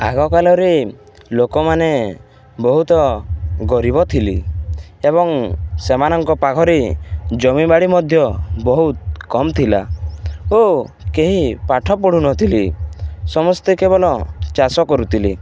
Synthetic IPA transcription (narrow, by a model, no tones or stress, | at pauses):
a̰ɡɔkalɔɾe | lokɔmane | bɔɦut̪ɔɡɔɾibɔt̪ʰilḭeβɔŋsemanɔŋkɔpakʰɔɾed͡ʒɔmibaɽimɔd̪ʱjɔbɔɦut̪̚kɔmt̪ʰila̰ | okeɦipaʈʰɔpɔɽ̤unɔt̪ʰilisɔmɔst̪ekebɔlɔt͡ʃasɔkɔɾut̪ʰili